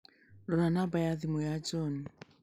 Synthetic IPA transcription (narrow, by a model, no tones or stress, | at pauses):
lɔɾanabajaðɪmɔjad͡ʒɔn